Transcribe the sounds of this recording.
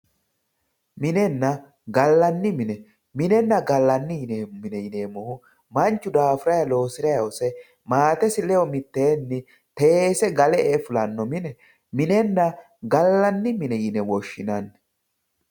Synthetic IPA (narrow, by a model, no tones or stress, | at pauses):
mɪnɛnːɐ | ɡɐlːɐnːɪmɪnɛ | mɪnɛnːɐɡɐlːɐnːɪjnemɪnɛjɪneːmɔhʊ | mɐnt͡ʃːʊd̪aːfɪɾɐjɐlo̞ːsɪɾɐjɐɔsɛ | maːt̪ɛsɪlɛjɔmɪt̪ːeːnːɪ | t̪eeːsɛɡɐlɛʔefʊlɐnːɔmɪnɛ | mɪnɛnːɐ | ɡɐlːɐnːɪmɪnɛjɪnɛwɔʃːɪnɐnːɛ